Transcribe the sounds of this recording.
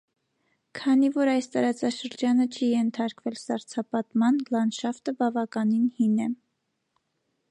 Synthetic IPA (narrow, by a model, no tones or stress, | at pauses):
kʰɑnivɔɾɑjst̪ɑɾɑt͡sɑʃəɾd͡ʒɑnət͡ʃʰijɛnt̪ʰɑɾkvɛlsɑɾt͡sʰɑpɑt̪mɑnlɑnʃɑft̪əbɑvɑkɑninhinɛ